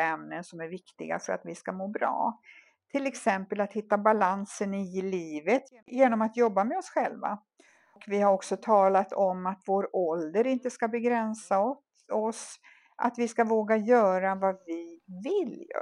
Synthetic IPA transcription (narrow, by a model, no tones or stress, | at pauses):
ɛmnənsɔmæɾvɪkt̪ɪɡa̰fœɾa̰t̪vɪskamoːbɾɑ̰ː | t̪ʰɪlɛksɛmpəlat̪hɪt̪ːabalansənɪliːvət̪ | jeːnɔmat̪jɔbːamɛɔsɧɛlva̰ | kvɪhaɾɔksɔt̪ʰɑːlat̪ʰɔmːat̪voːɾɔld̪əɾɪnt̪əskabɛɡɾɛnsaɔt̪ | ɔs | ʔa̰t̪vɪskavoːɡajœːɾavavɪvɪlj̰